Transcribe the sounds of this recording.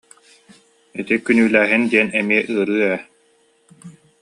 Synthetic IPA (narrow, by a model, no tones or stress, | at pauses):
it̪ikynyːlæːɦind̪iɛnɛmiɛʔɯːɾɯːɛ